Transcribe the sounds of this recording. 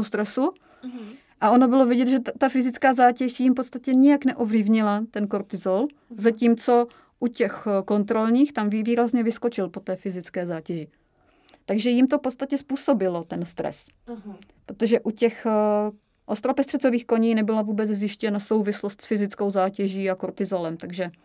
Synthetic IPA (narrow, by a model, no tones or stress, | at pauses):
ost̪ɾɛsu | ʔao̞no̞bɪlo̞vɪɟɛt̪ʒɛt̪afɪzɪt͡skaːzaːcɛʒjɪmpotst̪acɛɲɪjaknɛʔovlɪvɲɪlat̪ɛnkoɾt̪ɪzol | zaciːmt͡so̞ | ʔucɛxko̞nt̪ɾo̞lɲiːxt̪amviviːɾazɲɛvɪskot͡ʃɪlpo̞t̪ɛːfɪzɪt͡skɛːzaːcɛʒɪ | t̪aɡʒɛjɪmt̪ofpo̞t̪st̪acɛspuːso̞bɪlot̪ɛnst̪ɾɛ̰s | pɾot̪oʒɛʔucɛx | ʔost̪ɾopɛst̪r̥ɛt͡soviːxko̞ɲiːnɛbɪlavuːbɛt͡szjɪʃcɛnaso̞wvɪslost̪sfɪzɪt͡skowzaːcɛʒiːakoɾt̪ɪzolɛmt̪aɡʒɛ